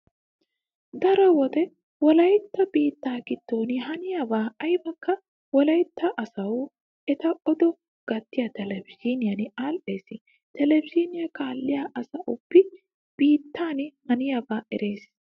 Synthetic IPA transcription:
d̪ɐɾɔwɔd̪ɛ | wɔlɐjt̪ːɐb̥iːt̪ːaːɡɪt̪ːoːnɪɦɐnɪjabaːɐjbɐkːɐ | wɔlɐjt̪ːɐʔɐsɐw | ɛt̪ɐʔɔd̪ɔ | ɡ̥ɐt̪ːɪjɐt̪ɛlɛbɪd͡ʒiːnɪjɐnɪaːlʔe̞ːsɪ | t̪ɛlɛbɪd͡ʒiːnɪjɐkʼaːlːɪjaʔɐsɐʔʊpːɪ | b̥iːt̪ːaːnɪhɐnɪjabaːʔɛ̰ɾʔe̞ːs

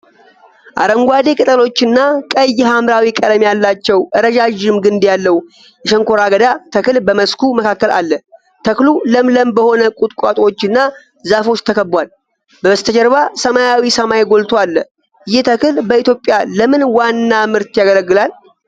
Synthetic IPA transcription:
ʔa̰ɾəŋɡʷad̪e̞kʼɨt̪ʼəlo̞t͡ʃːɪnːakʼəjːɦamɾawikʼəd̪mejalːat͡ʃːɛwʔɨɾəd͡ʒaʒɪmɡɨnd̪jalːəw | jɛʃəŋkʰoɾaɡəd̪at̪ʰəkɨlbəməskʰuməkʰakːəla̰lːə | t̪ʰəkluləmləmbəho̞nəkʼut̪ʼkʼat̪ʼwo̞t͡ʃːɨnːa | zafo̞t͡ʃːt̪ʰəkʰəbwal | bəbəst̪ʰəd͡ʒəɾβasəmajawisəmajɡo̞lt̪ʰoalːə | ɨjɛt̪ʰəkɨlbəit̪jo̞pʼːjaləmɨnwanːamɨɾt̪jaɡələɡːɨlal

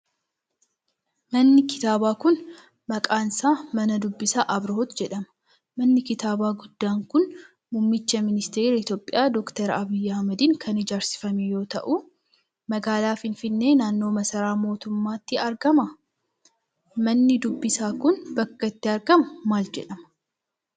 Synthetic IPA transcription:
mɐnːɪkɪ̥t̪aːbaːkʊn | mɐkʼaːnsaːmɐnɐd̪ʊbːɪsaʔɐbɾɦot̪d͡ʒɛᶑɐmɐ̥ | mɐnːɪkɪt̪aːbaːɡʊd̪ːaːŋkʊn | mʊmːɪt͡ʃːɐmɪnɪst̪eːɾɐɪt̪jo̞ːpʼːɪjaːd̪ɔkt̪ɐɾɐbiːjːɐhɐmɐd̪ɪŋkʰɐnɪd͡ʒaːɾsɪ̥fɐmejo̞ːt̪ɐʔʊ | mɐɡaːlaːfɪnfɪnːe̞ːnaːnːo̞ːmɐsɐɾaːmo̞ːt̪ʊmːaːt̪ːɪɐɾɡɐmɐ | mɐnːɪd̪ʊbːɪsaːkʊnbɐkːɐt̪ːɪɐɾɡɐmɐmaːld͡ʒɛ̰ᶑɐmɐ

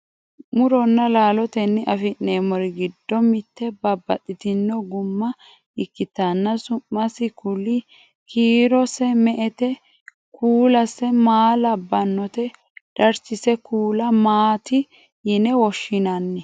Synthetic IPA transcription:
mʊɾɔnːɐlaːlɔt̪ɛnːɪʔɐfɪnneːmɔɾɪɡɪd̪ːɔmɪt̪ːɛbɐbːɐt̪ʼːɪt̪ɪnːɔɡʊmːɐ | ɪkːɪt̪ɐnːɐsʊmːɐsɪkʰʊlɪ | kʰiːɾɔsɛmɛʔɛt̪ɛ | kuːlɐsɛmaːlɐbːɐnːɔt̪ɛ | d̪̥ɐɾsɪsɛkuːlɐmaːt̪ɪ | jɪnɛwɔʃːɪnɐnːɛ

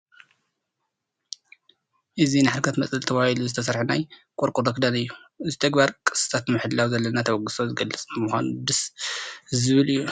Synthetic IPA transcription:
ʔɨzinɨħalkʰɐt̪mɐt͡sʼɨlt̪ʰɐβahiluzɨt̪ʰɐs̬ɐɾħunajkʼoɾkʼud̪okd̪anɨjːuʔɨzit̪ʰɐɡbaɾkʼɨ̥sɨ̥t̪ʰat̪mɨħɨd̪lawzɐlːɐnat̪ʰɐwɐɡɨsozɨɡɐlːɨt͡sʼɨmuxʷa̰nud̪ɨs | zɨβɨlɨjːu

